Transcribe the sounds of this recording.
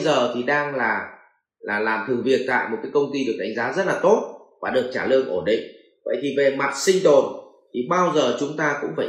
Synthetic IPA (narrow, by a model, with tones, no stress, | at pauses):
zəː˨˩t̪ʰi˨˩ɗaː˧ŋlaː˨˩ | laː˨˩laː˨˩mt̪ʰɨ˨˩ŋvi˨˩ət̚t̪a̰ː˧˨jmo˨˩t̚kaː˨˦kə˧wŋ͡mt̪i˧ɗɨ˨˩ək̚ɗa˨˦ŋ̟zaː˨˦zə˦˥t̚laː˨˩t̪o˦˥t̚vaː˨˩ɗɨ̰˧˨ək̚t͡ɕaː˧˩lɨ˧əŋʔo˧˩nɗḭ̈˧˨ŋ̟ | və̰˧˨jt̪ʰi˨˩ve˨˩ma˨˩t̚sï˧ŋ̟t̪o˨˩n | t̪ʰi˨˩ɓaː˧wzəː˨˩t͡ɕʊ˨˦ŋ͡mt̪aː˧kʊ̰˧˥ŋ͡mfaː˧˩